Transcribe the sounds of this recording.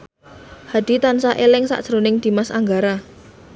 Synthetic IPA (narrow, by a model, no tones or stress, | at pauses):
had̪̥i̤t̪ansaʔelɪŋsa̰ʔdʒ̥əɾonɪŋd̪̥i̤masa̰ŋɡaɾa